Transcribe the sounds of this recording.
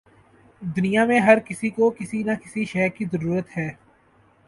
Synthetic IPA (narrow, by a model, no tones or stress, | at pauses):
d̪ʊnɪjamẽɦɐɾkɪsikokɪsinakɪsiʃɛːkizəɾuːɾət̪hɛː